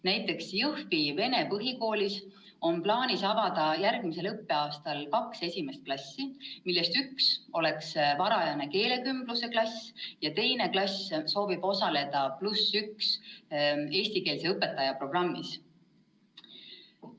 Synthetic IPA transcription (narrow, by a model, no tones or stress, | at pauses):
næjt̪ːˑe̞ksjɤhvive̞ne̞pɤɦiko̞ːlʲis | o̞nplɑːnisɑvɑd̪̥ɑjærɡ̥mise̞lɤpːe̞ɑːst̪ɑlkɑkse̞sʲime̞st̪̚klɑsʲːimilːe̞st̪ykso̞le̞ksvɑɾɑjɑne̞ke̞ːle̞kymb̥luse̞klɑsʲjɑt̪e̞jne̞klɑsso̞ːvib̥o̞sɑle̞d̪̥ɑplusyks | e̞ːsʲt̪ike̞ːlse̞ɤpːe̞t̪ːˑɑjɑpro̞b̥rɑmːis